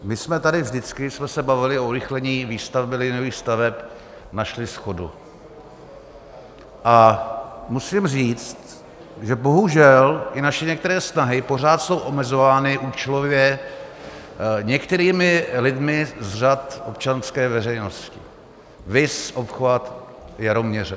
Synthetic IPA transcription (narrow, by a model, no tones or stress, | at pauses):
mɪsmɛt̪adɪvʒdɪt͡skɪsmɛsɛbavɪlɪouɾɪxlɛɲiːviːst̪avbɪlɪnoviːxst̪avɛp | naʃlɪsxo̞dṵ | ʔa | musɪmriːt͡st̪ | ʒɛbo̞ɦuʒɛlʔɪnaʃɛɲɛkt̪ɛɾɛːsnaɦɪpo̞r̝aːt̪so̞wʔo̞mɛzo̞vaːnɪʔuːt͡ʃɛlovjɛ | ɲɛkt̪ɛɾiːmɪlɪdmɪzr̝at̪op̚t͡ʃanskɛːvɛrɛjno̞scɪ̰ | vɪsʔopxvat̪ | jaɾomɲɛrɛ